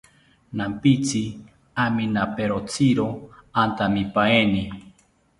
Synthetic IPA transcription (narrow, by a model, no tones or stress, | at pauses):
nampit͡sʰi | aminapeɾot͡sʰiɾoant̪amipaeni